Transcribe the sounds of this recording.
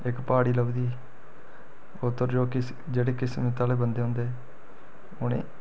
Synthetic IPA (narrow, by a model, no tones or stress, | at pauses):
ɪkpaːɽiːləbd̪iː | ot̪ːəɾd͡ʒoːkɪ | d͡ʒeːɽeːkɪsmɪt̪aːleːbənd̪eːɦõːnd̪eː | ʊnḛ̃ː